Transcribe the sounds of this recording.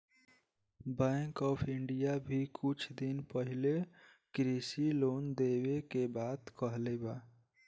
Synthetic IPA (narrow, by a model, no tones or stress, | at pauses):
bɛ̃ŋkɔːpʰɪɳɖijabʱikʰʊt͡ʃʰd̪inpəɦɪle | kɾisiloːnd̪eːwekebaːd̪kəɦlebaː